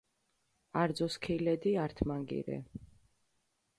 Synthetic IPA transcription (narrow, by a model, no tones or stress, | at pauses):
aɾd̪zɔskʰilɛd̪iaɾt̪ʰmaŋɡḭɾɛ̰